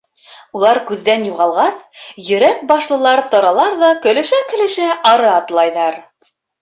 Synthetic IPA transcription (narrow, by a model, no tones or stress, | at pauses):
ulˠɑɾkʉðːænjuʁɑlˠʁɑsjɵ̆ɾæk̚bɑʃlˠɤ̆lˠɑɾt̪ŏɾɑlˠɑɾðɑkɵ̆lɘ̆ʃækɘ̆lɘ̆ʃæʔɑɾɤɑt̪lˠɑjðɑɾ